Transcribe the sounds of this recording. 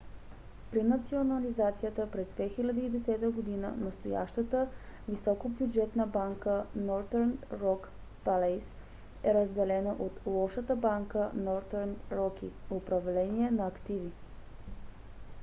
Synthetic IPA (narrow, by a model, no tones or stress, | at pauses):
pɾinɐt̪sionɐlizat̪sijət̪əpɾɛzd̪vɛxilʲɐd̪iːd̪ɛsɛt̪əɡod̪inə̰nɐst̪oja̰ʃt̪ət̪əvisɔkobjud͡ʒɛt̪nəbaŋkənɔɾd̪ɛɾnɾɔk | palɛs | ɛɾəzd̪ɛlɛnəʔot̪lˠɔʃət̪əbaŋkənɔɾd̪ɛɾnɾɔkḭopɾɐvlɛniɛnɐɐːkt̪ivi